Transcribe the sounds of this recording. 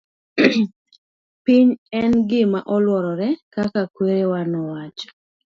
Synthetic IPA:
piɲɛnɡɪmaʔɔlwɔɾɔɾɛkakakweɾewanɔwat͡ʃɔ̥

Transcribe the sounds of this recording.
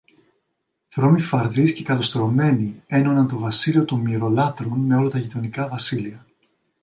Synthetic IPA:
θɾo̞mifɐɾðisce̞kɐt̪o̞st̪ɾo̞me̞nie̞no̞nɐnt̪o̞vɐsilio̞t̪omiɾo̞lɐt̪ɾunme̞o̞lɐt̪ɐʝit̪o̞nikɐvɐsiliɐ

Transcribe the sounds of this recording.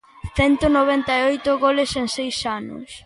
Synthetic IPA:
θɛnt̪onoβɛnt̪ajojt̪ʊɣolɪseŋsejsanʊ̰s

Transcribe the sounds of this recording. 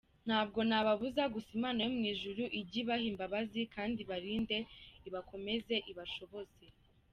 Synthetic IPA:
n̥haːbɡo̞naβaβuzaɡusimaːnajomŋiːʒuɾuʔiɟiβahimbaβazikaːndiβaɾiːnde̞iβako̞me̞ze̞ʔiβaʃo̞βo̞z̥e̞

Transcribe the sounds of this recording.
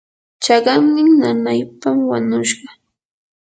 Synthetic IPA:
t͡ʃɑɢɑmnɪŋnanajpamwaɲʊʃɢɑ

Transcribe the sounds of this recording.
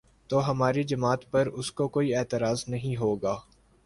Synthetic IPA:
t̪oːɦɐmaːɾid͡ʒɐmaːt̪pɐɾʊskokoːiɛːt̪ɪɾaːznɐɦĩɦoːɡaː

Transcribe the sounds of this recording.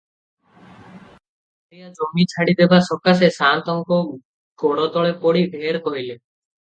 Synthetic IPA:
ɔlijad͡ʒomit͡ʃʰaɽid̪ebasɔkasesant̪ɔŋkɔ | ɡɔɽɔt̪ɔɭepɔɽibʱeɾkɔɦile

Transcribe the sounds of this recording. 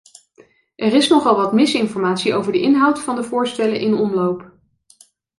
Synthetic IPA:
ʔɛrɪsnɔχɑlˠʋɑtmɪsɪnfɔɹmaːtsiowvəɹdəʔɪnɦʌwtfɑndəvʊːɹstɛlənʔɪnɔmlowp

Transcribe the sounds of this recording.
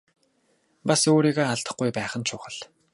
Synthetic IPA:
pasoːɾiːɣaːaɮt̪ə̆χɡujpæːχə̆nt͡ɕʰʊːχə̆ɮ

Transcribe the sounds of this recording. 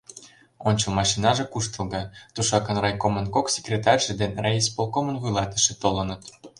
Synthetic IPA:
onʲt͡ɕɤ̆lˠmɑʃinɑʒĕkuʃt̪əlˠɣɤt̪uʃɑkənrɑjkomənkoksʲe̥krʲet̪ɑrʲʒĕd̪enrɑispolˠkomənvujlɑt̪ə̥̆ʃĕt̪olɤ̆nət̪

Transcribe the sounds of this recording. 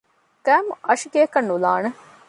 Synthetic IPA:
kæːmuɐʃiɡeːkɐnːula̰ːne

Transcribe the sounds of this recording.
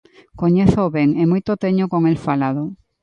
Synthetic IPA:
koɲeθoβeŋemojt̪ot̪eɲokoŋelfalaðo

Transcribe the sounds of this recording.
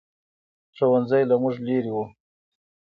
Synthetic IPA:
ʈ͡ʂowanzajlamʊʐleɾiwu

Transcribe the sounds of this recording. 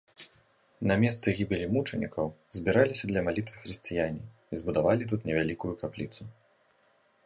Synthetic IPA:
nɐmʲɛst̪sɨɣʲibʲilʲimut͡ʂɐnʲḭkɐwzʲbʲiɾalʲisʲɐd̪lʲɐmalʲit̪vɨxɾɨsʲt͡sʲijanʲiː | zbud̪avalʲit̪̬ut̪nʲɛvʲalʲikujukaplʲit̪su

